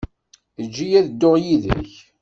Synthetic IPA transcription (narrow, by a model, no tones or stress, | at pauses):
əd͡ʒːijæðəd̪ːoʁjiðə̰ç